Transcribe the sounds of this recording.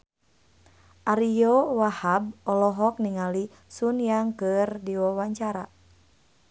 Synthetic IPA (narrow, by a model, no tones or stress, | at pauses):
ʔaɾijɔwahab̚ɔlɔɦɔk̚niŋali | sunjaŋkɨrdiwɔwaɲt͡ʃaɾa